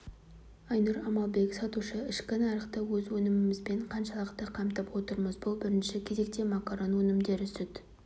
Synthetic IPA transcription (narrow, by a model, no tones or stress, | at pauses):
ɑjnuɾɑmɑlˠbe̞ksɑt̪uʃəɪʃkʲɪnɑɾəqt̪əwɵzwɵnɪmɪmɪzbeɴqʰɑnʃɑlˠəqt̪əqʰɑmt̪əpwo̞t̪əɾməzbʊlˠbɪɾɪnʃɪkʲʰe̞ze̞k̚t̪e̞mɑkaɾo̞nwɵnɪmd̪e̞ɾʏsɪd̪